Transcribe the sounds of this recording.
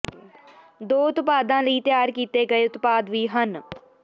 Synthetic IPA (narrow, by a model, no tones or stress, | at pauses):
d̪oːʊt̪paːd̪ãːləiːt̪ɪjaːɾkiːt̪eːɡəeːʊt̪paːd̪ʋiːɦən